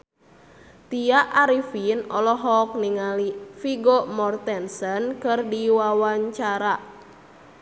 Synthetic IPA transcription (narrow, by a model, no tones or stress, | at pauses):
t̪iaʔaɾifinɔlɔɦɔk̚niŋalifiɡomɔrt̪ɛnsənkɨrdiwawaɲt͡ʃaɾa